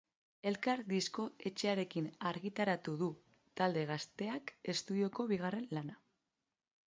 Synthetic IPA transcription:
e̞lkaɾðisko̞e̞t͡ʃeaɾe̞kinaɾɣit̪aɾat̪uðu | t̪ald̪e̞ɣ̞ast̪e̞ake̞st̪uðio̞ko̞βiɣ̞are̞nlana

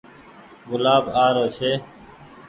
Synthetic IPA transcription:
ɡʊlaːbaːɾoːt͡ʃʰeː

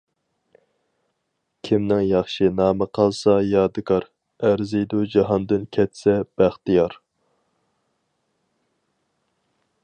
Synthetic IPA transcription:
kʲʰimnɪŋjɑχʃɨnɑːməqʰɑlˠsɑjɑːd̪ɨkʰɑɾ | æɾzɪjd̪ud͡ʒɑɦɑnd̪ɨnkʲʰɛt̪sɛb̥æχt̪ijɑɾ

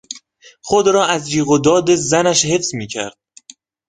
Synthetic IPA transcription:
χod̪ɾɒːæzd͡ʒiːɣod̪ɒːd̪ezænæʃhe̞fsmiːcʰæ̰ɾd̪̥̚

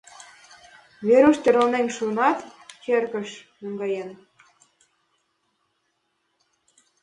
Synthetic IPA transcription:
βeɾuʃt̪ʲeɾəlneŋʃunɑt̪kerɣə̆ʃmuŋɡɑjen

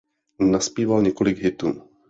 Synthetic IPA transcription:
naspiːvalɲɛkolɪɡɦɪt̪uː

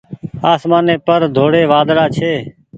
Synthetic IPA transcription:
aːsmaːneːpəɾd̪ʱoːɽeːʋaːd̪ɽaːt͡ʃʰeː

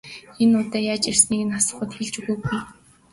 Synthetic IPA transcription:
enːʊːt̪æːjaːt͡ɕersniːkɘ̆nasə̥̆χə̆t̪xeɮt͡ɕuɣujɡuj

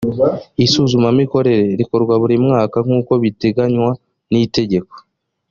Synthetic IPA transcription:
isuːzumamiko̞ɾe̞ɾe̞ɾiko̞ɾɡwaβuɾimŋaːkaŋ̥uːko̞βite̞ɡaɲwa | nite̞ɟe̞ko̞̥

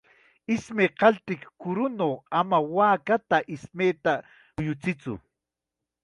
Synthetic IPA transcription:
ɪsmeːqɑlt̪ɪkkʊɾʊnoːamawaːkat̪aʔɪsmeːt̪a | ʊjʊt͡sɪt͡sʊ̰

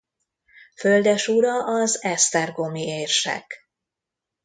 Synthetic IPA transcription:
føld̪ɛʃuɾɒʔɒzɛst̪ɛrɡo̞mieːrʃɛ̰k

